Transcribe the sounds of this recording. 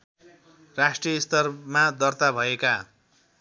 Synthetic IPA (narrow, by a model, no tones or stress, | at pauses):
rasʈrijʌist̪ʌrmad̪ʌrt̪abʱʌeka